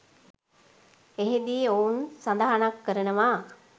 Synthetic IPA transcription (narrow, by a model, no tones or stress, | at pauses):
eɦed̪iounsand̪aɦanakːəɾənəʋa